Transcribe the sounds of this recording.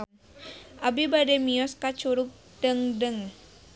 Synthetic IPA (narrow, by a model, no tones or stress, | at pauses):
ʔabibadɛmiɔskat͡ʃuɾʊp̚ | dəŋdəŋ